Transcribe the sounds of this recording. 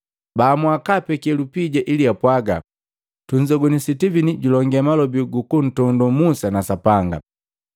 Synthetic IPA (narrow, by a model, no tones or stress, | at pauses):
baːmwakapɛkiɛlupiɟaʔiliapwaɡa̰ | tuɲd͡ʒɔɡɔnisitiviniɟulɔŋɡɛamalɔbiɡukun̩tɔndumusanasapaŋɡa̰